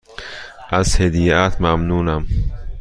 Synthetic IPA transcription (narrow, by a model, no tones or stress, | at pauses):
azhed̪ijat̪ʰmamnuːnam